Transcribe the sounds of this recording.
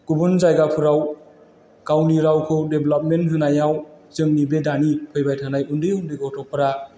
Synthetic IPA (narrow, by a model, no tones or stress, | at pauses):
ɡ̥ubunzajɡapʰɯɾaw | kawniɾawkʰɯdeblap̚mentɦɯnajaw | zɯŋnibedanipʰɯjbajtʰanajundɯjundɯjɡɔtʰɔpʰɯɾa